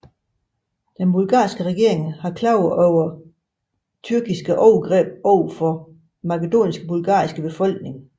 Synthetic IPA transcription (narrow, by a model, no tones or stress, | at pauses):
d̥enbulɡ̥ɑ̰̈ːsɡ̥əʁɛɡ̥e̝ɐ̰e̝ŋhɑ̈kʰlɑ̈ʊɒʊɐ | t͡sʰyɐɡ̥isɡ̥əʔɒʊɡ̥ʁɛ̰ːb̥ɒʊ̰fɒ̽ | mɑ̈kəd̥o̝̰ːnisɡ̥əbulɡ̥ɑ̰̈ːisɡ̥əb̥e̝fɒ̽l̰ɡ̥̚ne̝ŋ